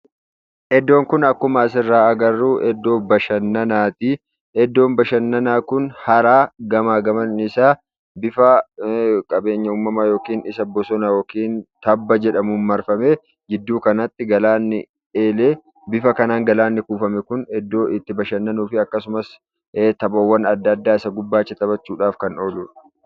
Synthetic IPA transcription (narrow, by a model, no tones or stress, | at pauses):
ʔɛd̪ːo̞ːŋkʊnɐkːʊmɐːs̬ɪrːaːɐɡɐrːuːʔɛd̪ːo̞ːbɐʃɐnːɐnaːt̪ɪ | ɛd̪ːo̞ːnbɐʃɐnːɐnaːkʊnhɐɾaːɡɐmaːɡɐmɐnɪsaː | bɪfɐ | kʼɐbe̞ːɲːɐuːmːɐmajo̞ːkiːnɪsɐbɔsɔnɐjoːkiːnt̪ɐbːɐd͡ʒɛᶑɐmʊnmɐɾfɐme | d͡ʒɪd̪ːuːkɐnɐt̪ːɪɡɐlaːnːɪ̰ | eːleː | bɪfɐkɐnaːŋɡɐlaːnːɪkuːfɐmɛkʊnɛd̪ːoːɪt̪ːɪbɐʃɐnːɐnuːfɪɐkːɐsʊmɐsː | t̪ɐbɐwːɐnɐd̪ːɐd̪ːaːɪsɐɡʊbːaːt͡ʃːɛt̪ɐbɐt͡ʃːuːᶑaːfkɐno̞ːluːᶑɐ̥